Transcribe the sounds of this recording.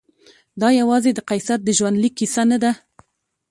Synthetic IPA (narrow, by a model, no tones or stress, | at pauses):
d̪ɑjawɑzed̪əqɑjsat̪̚d̪əʒwand̪likːisanad̪a